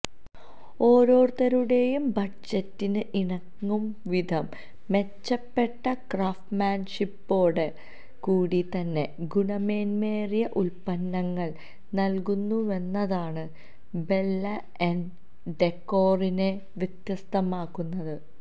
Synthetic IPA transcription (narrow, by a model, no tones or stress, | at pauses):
o̞ːɾo̞ːrt̪ɐɾuɽe̞jumbɐʈ̚d͡ʑɐtːinɨʔiɳɐŋːumʋid̪ʱɐmː | e̞t͡ɕːɐpːe̞ʈːɐkraːfʈmaːnʂipːo̞ːɽe | kuːɽit̪ɐnːe̞ɡuɳɐme̞ːnme̞ːrijɐʔulpɐnːɐŋːɐɭ | nɐlkunːue̞nːɐðaːɳɨ | be̞lːɐ | en | ɖekːo̞ːrine | ʋjɐt̪jɐst̪ɐmaːkːunːɐðɨ